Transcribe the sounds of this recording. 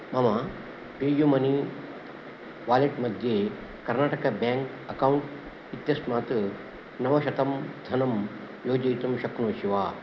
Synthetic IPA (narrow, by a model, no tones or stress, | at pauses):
mɐma | ɡejumɐni | ʋaːleʈmɐd̪ʱje | kɐɾnaːʈɐkɐbaːŋk | ɐkawuɳʈ | it̪jɐsmaːt̪ | nɐʋɐʃɐt̪ɐmd̪ʱɐnɐm | joːd͡ʒɐjt̪ɐmʃɐknoːʃiʋaː